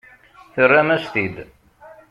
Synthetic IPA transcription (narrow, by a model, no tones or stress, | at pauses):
θərːæmæst̪id̪